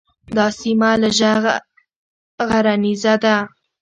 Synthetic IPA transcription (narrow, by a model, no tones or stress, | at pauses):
d̪ɑsimalaʒa | ɣaɾanizad̪a